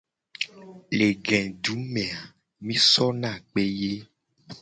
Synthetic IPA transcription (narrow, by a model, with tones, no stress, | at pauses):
le˨ɡɛ̃˨ɖu˨˦mẽ˨a˨ | mĩ˦sɔ˦nã˦˨k͡pe˦je˦